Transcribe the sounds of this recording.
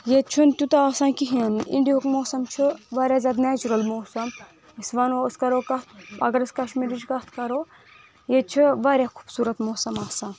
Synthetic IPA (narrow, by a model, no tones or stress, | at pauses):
jet͡ʃʰunt̪ut̪ɐaːsãːnkiɦiɐnḭɳɖijoːkmoːsɐmt͡ʃʰuʋɐːɾʲjaːzʲaːd̪nɛːt͡ʃuɾɐlmoːsɐm | isʋɐnoɐskɐɾoːkɐt̪̚ʰɐ̰ɡɐɾɨskɐʃmiɾit͡ʃkɐt̪ʰkɐɾoː | jet͡ʃʰiʋaːɾʲjaːkʰu̥ːbsuːɾɐt̪moːsɐmaːsãː